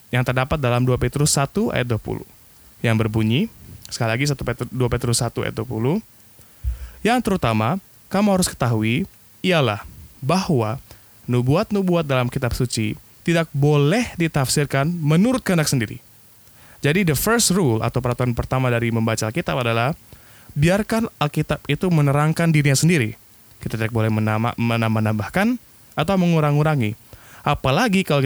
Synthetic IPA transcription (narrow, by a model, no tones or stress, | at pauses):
jaŋt̪ərdapat̪̚dalamduapet̪ɾʊsːat̪ua̰jat̪̚duapṵlṵ | jaŋbərbuɲisə̥kalilaɡis̬at̪upduapet̪ɾʊsat̪ua̰j̰at̪̚duapuluh | jaŋt̪əɾut̪ama | kamuhaɾʊskə̥t̪aɦui | iala̰hbahwa | nubuat̪̚nubuat̪̚dalamkit̪apsut͡ʃi | t̪idak̚bolɛhdit̪afsɪrkanmənuɾʊt̪̚kəndak̚səndiɾḭ | d͡ʒadidəfəɾstrulʔa̰t̪awpəɾat̪uanpərt̪amadaɾiməmbat͡ʃaalkit̪apadalah | biarkanalkit̪apit̪umənəɾaŋkandiɾiɲasəndiɾi | kit̪at̪idak̚bolɛhməənamanambahkan | at̪awməŋuɾaŋuɾaŋiʔapalaɡikalo